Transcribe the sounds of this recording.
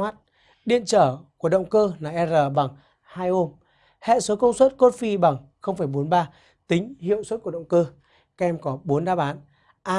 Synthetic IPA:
aː˦˥t̚ | ɗḭ˧˨ənt͡ɕəː˧˩ku˧˩əɗə̰˧˨wŋ͡mkəː˧naː˨˩ʔɛ˧zəː˨˩ɓa˨˩ŋ | haː˧jʔo˧m | hɛ̰˧˨so˨˦kə˧wŋ͡mswə˦˥t̚ko˦˥t̚fi˧ɓa˨˩ŋ | xə˧wŋ͡mfa˧˩jɓo˨˦nɓaː˧ | t̪ï˨˦ŋ̟hḭ˧˨əwswə˦˥t̚ku˧˩əɗə̰˧˨ŋ͡mkə˧ | kɛ˧mkɔ˨˦ɓo˨˦ənɗaː˧˩ɓaː˨˦n | ʔaː˧

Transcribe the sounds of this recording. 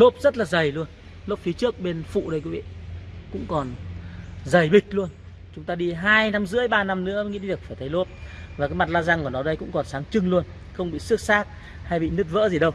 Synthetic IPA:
lo˦˥p̚zə˦˥t̚laː˨˩zə˨˩jlu˧ən | lo˦˥p̚fi˨˦t͡ɕɨ˦˥ək̚ɓe˧nfṵ˧˨ɗə˧jkwi˨˦vḭ˧˨kʊ̰˧˥ŋ͡mkɔ˨˩n | zə˨˩jɓï˨˩k̟̚lu˧ən | t͡ɕʊ˨˦ŋ͡mt̪aː˧ɗi˧ɦaː˧jna˨˧mzɨ̰˧˥əjɓaː˧na˧mnɨ̰˧˥ə˧ŋḭ˧˥i˧˨˩ək̚faː˧˩t̪ʰə˨˦jlo˦˥p̚vaː˨˩kaː˨˦ma˨˩t̚laː˧za˧˩ŋkɔ˧˩ənɔ˨˦ɗə˧jkʊ̰˧˥ŋ͡mkɔ˨˩nsaː˨˦ŋt͡ɕɨ˧ŋlu˧ən | xə˧wŋ͡mɓḭ˧˨sɨ˦˥ək̚saː˦˥k̚ | ha˧jɓḭ˧˨nɨ˦˥t̚və̰ː˧˥zi˨˩ɗə˧w

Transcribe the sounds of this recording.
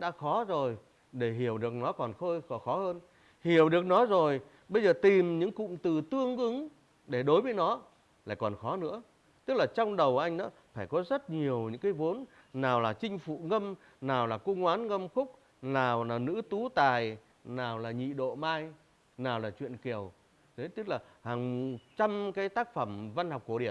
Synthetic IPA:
ɗa̰ː˧˥xɔ˨˦zo˨˩j | ɗe˧˩ɦi˧˩əwɗɨ˨˩ək̚nɔ˨˦kɔ˨˩nxəː˧jxɔ˨˩xɔ˨˦həː˧n | hi˧˩əwɗɨ˨˩ək̚nɔ˨˦zo˨˩j | ɓə˧jzəː˨˩t̪i˨˩mɲɨ̰˧˥ŋkʊ̰˧˨ŋ͡mt̪ɨ˨˩t̪ɨ˧əŋʔɨ˨˦ŋ | ɗe˧˩ɗo˨˦jvəː˨˦jnɔ˨˦ | laː˧˨jkɔ˨˩nxɔ˨˦nɨ̰˧˥ə | t̪ɨ˦˥k̚laː˨˩t͡ɕɔ˧wŋ͡mɗə˨˩wʔa˧jŋ̟ɗɔ̰ː˨˦ | faː˧˩jkɔ˨˦zə˦˥t̚ɲi˨˩əwɲɨ̰˧˥ŋkaː˨˦jvo˨˦n | naː˨˩wlaː˨˩t͡ɕï˧ŋ̟fṵ˧˩ŋə˧m | naː˨˩wlaː˨˩ku˧ŋwaː˨˦nŋə˧mxʊ˦˥k͡p̚ | naː˨˩wlaː˨˩nɨ̰˧˥t̪u˨˦t̪aː˨˩j | naː˨˩wlaː˨˩ɲḭ˧˨ɗo̰˧˨maː˧j | naː˨˩wlaː˨˩t͡ɕwḭ˧˨ənki˨˩əw | ze˨˦t̪ɨ˦˥k̚laː˨˩haː˨˩ŋo˨˩tt͡ɕa˧mkaː˨˦jt̪aː˦˥k̚fə˧˩mva˧nha˨˩wk͡p̚kːu˧˩əɗi˧˩ə˨n

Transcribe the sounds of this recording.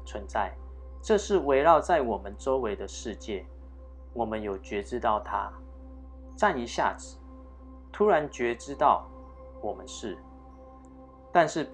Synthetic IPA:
t͡sʰwə˧˦nt͡sa˥˩ɪ | ʈ͡ʂɤ˥˧ʂɻ̩˥˨we˧˥ɪɻɑ˥˧ʊt͡sa˥˩ɪwɔ˨˩mə˦nʈ͡ʂo˥ʊwe˧˥ɪd̪ə˧ʂɻ̩˥˧t͡ɕjɛ˥˩ | wɔ˨˩mə˦njo˨˩ʊt͡ɕɥɛ˧˥ʈ͡ʂɻ̩˥t̪ɑ˥˩ʊt̪ʰa˦ | ʈ͡ʂa˥˨ni˧˥ɕja̰˥˨t͡sɹ̩˨˩˦ | t̪ʰu˥ɻa˧˦nt͡ɕɥɛ˧˥ʈ͡ʂɻ̩˥t̪ɑ˥˨ʊ | wɔ˨˩mə˦nʂɻ̩˥˩ | t̪a˥˧nʂɻ̩˥˩˨

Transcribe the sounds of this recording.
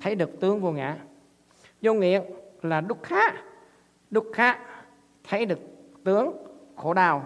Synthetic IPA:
t̪ʰə˨˦jɗɨ˨˩ək̚t̪ɨ˨˦əŋvu˧˩ŋa̰ː˧˩ | zo˧ŋḭ˧˨ənlaː˨˩ɗʊ˦˥k͡p̚xaː˦˥ | ɗʊ˦˥k͡p̚xaː˦˥ | t̪ʰə˨˦jɗɨ˨˩ək̚t̪ɨ˨˦əŋxo̰˧˩ɗaː˨˩w

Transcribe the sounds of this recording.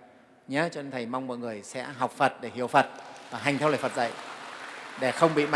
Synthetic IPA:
ɲə˨˦t͡ɕɔ˧ʔə˧nt̪ʰə˨˩jma˧wŋ͡mmɔ̰˧˨jŋɨ˨˩əjsɛ̰˧˥ɦa˨˩wk͡p̚fə˨˩t̚ɗe˧˩hḭ˧˨əwfə˨˩t̚vaː˨˩ɦa˨˩jŋt̪ʰɛ˧wlə̰ː˧˨˩fə˨˩t̚zə̰˧˨j | ɗe˧˩xə˧wŋ͡mɓḭ˧˨ma˧˨

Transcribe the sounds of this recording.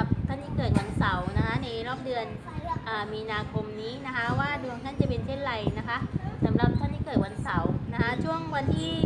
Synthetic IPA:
a˧˩p̚t̪ʰa˥˩nt̪ʰiː˥˩kɤː˨˩t̪̚wa˧nsa˨˩˦wna˦˥kʰa˦˥na˧jɾɔː˥˩p̚dɯ˧ən | ʔaː˨˩miː˧naː˧kʰo˧mniː˦˥na˦˥kʰa˦˥waː˥˩du˧ə˧ŋt̪ʰa˥˩nt͡ɕa˨˩pe˧nsʰe˥˩nɾa˧jna˦˥kʰa˦˥ʔsa˩˦mɾa˨˩p̚t̪ʰa˥˩niː˥˩kɤː˨˩t̪̚wa˧nsa˨˩˦wna˦˥kʰa˦˥t͡ɕʰu˥˩əŋwa˧nt̪ʰiː˥˩

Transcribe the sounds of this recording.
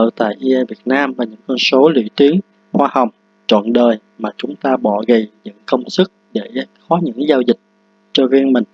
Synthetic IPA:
ə̰ː˧˨t̪a̰ː˧˨jʔi˧ʔɛ˧vi˨˩ət̚naː˧mvaː˨˩ɲɨ̰˧˥ŋkɔ˧nso˨˦lḭ˧˨t̪i˨˦əŋ | hwaː˧ha˨˩wŋ͡m | t͡ɕwɔ̰˧˨nɗəː˨˩j | maː˨˩t͡ɕʊ˨˦ŋ͡mt̪aː˧ɓɔ˧˨ɣə˨˩jzə̰˧˥ŋkə˧wŋ͡msɨ˦˥k̚ɗe˧˩xɔ˨˦ɲɨ̰˧˥ŋzaː˧wzï˨˩k̟̚ | t͡ɕɔ˧ɣi˧ŋmï˨˩ŋ̟

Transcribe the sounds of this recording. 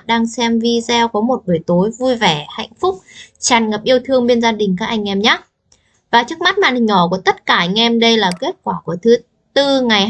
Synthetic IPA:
ɗaː˧ŋsɛ˧mvi˧zɛ˧wkɔ˨˦mo˨˩t̚vɨ˨˩jt̪o˨˦jvu˧jvɛ˧˩ha̰˧˨jŋ̟fʊ˦˥k͡p̚t͡ɕaː˨˩nŋə˨˩p̚ʔi˧əwt̪ʰɨ˧əŋɓe˧nzaː˧ɗï˨˩ŋ̟kaː˦˥k̚ʔa˧jŋ̟ʔɛ˧mɲaː˨˦˥ | vaː˨˩t͡ɕɨ˦˥ək̚ma˦˥t̚maː˧˨˩nhï˨˩ŋ̟ɔ˧˩ku˧˩ət̪ə˦˥t̚kaː˧˩ʔjŋ̟ʔɛ˧mɗə˧jlaː˨˩ke˦˥t̚kwaː˧˩ku˧˩ət̪ʰɨ˨˦ | t̪ɨ˧ŋa˨˩jɦ

